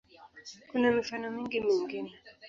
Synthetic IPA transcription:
kunamifanɔmĩŋɡimiŋɡinɛ

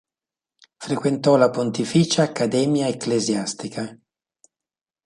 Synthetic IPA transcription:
fɾekwent̪ɔlapont̪ifit͡ʃaːkːad̪ɛːmjaekːlezjast̪ikʰa

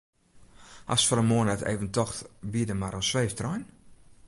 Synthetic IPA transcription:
ha̰sfɔɾəmoənɛtḛːvəntɔxtbiədəmaɾəsʋeːftrɔjn

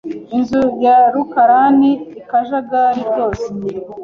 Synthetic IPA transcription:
inzujaɾukaɾaniikaʒaɡaɾiɾɟo̞ːse

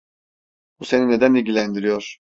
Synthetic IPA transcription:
buse̞nine̞d̪ænilʲɟʲilʲænd̪iɾijoɾ̥

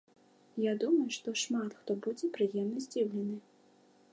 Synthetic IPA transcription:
jad̪umɐjuʂt̪ɔʂmat̪xt̪ɔbud͡zʲɛpɾɨjɛmnɐzʲd͡zʲiwlʲɛnɨ

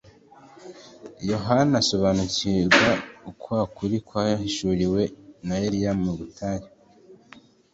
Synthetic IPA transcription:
jo̞ɦanaso̞βanuciɾɡwaukwakʰuɾikwajahiʃuɾiwe̞najeɾijammuɡutʰaːɲa

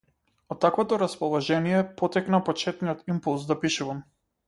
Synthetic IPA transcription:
ɔt̪ːakvɔt̪ɔɾaspɔlˠɔʒɛnijɛpɔt̪ɛknapɔt͡ʃɛt̪nijɔt̪impulˠzd̪apiʃuvam

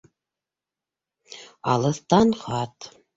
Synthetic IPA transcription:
ɑ̰lˠɤ̆θt̪ɑnχɑt̪

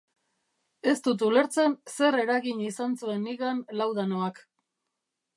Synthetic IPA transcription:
e̞st̪ut̪̬ule̞ɾt͡sense̞ɾe̞ɾaɣiɲisant͡sue̞nːiɣanlawðanoak

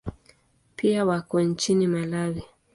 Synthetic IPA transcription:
piawakɔn̩t͡ʃinimalawi

